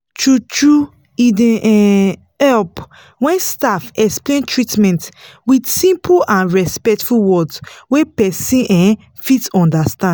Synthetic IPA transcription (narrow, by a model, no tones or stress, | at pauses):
t͡ʃut͡ʃɹu | idɛ̃ɛ | ɛlp | wɛ̃nstafɛksplẽntɹitmɛ̃ntwidsĩmpʰuʔãnɹɛspɛktfuwɔdswepɛsĩʔɛ̃ | fitɔ̃ndastã